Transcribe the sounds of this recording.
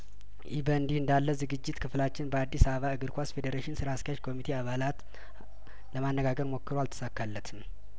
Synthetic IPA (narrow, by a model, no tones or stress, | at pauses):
ʔibənd̪ihɨnd̪alːəzɨɡɨd͡ʒːɪt̪kʰɨflat͡ʃːɪnbəad̪ːisaβəβaɨɡɨɾkʷʰasfed̪eɾeʃɪnsɨɾaskjat͡ʃkʰo̞mit̪ʰeaβalat̪ | ləmanːəɡaɡəɾmo̞kːɨɾoalt̪ʰə̥sakːalːət̪ʰɨm